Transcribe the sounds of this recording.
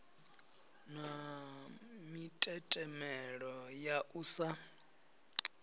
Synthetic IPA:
na | mitʼɛtʼɛmɛɺɔjaʔuːsa

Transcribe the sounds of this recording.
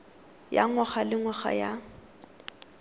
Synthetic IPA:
ja̰ŋwaχalɪŋwaχa̰ja

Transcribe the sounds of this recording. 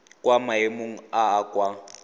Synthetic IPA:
kʼwamaemoŋ̩aːkʼwa

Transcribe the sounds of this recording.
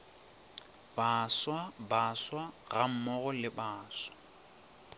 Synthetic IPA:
b̥aswabaswaɣam̩mɔɣɔlɪbaːswḁ

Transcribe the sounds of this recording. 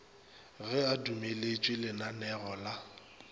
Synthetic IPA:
ɣɛadumelet͡ʃʼwɪlɪnanɛɣɔla

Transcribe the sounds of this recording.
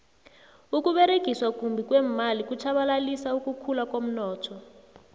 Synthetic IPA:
uk̬uɓeɾeɡ̥ʱiswakʼumbʱik̬wemalikut͡ʃʰaɓalalisaukukʰulakom̩nɔːtʰɔ

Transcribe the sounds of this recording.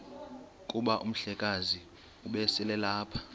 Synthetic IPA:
kʼuɓaʔum̩ɬɛkʼazi | uɓɛsɛlɛlaːpʰḁ

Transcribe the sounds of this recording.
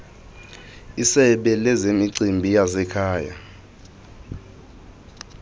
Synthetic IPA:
isɛɓɛlɛzemiǀimbʱijasɛkʰaːja̰

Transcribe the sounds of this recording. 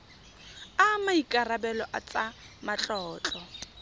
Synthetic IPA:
amaikʼarabɛlɔʔa̰t͡sʼa | mat͡ɬʼɔːt͡ɬʼɔ

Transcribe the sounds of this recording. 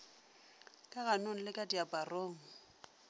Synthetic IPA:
kʼaɣanoŋ̩lɪkʼadiapʼaroːŋ̩

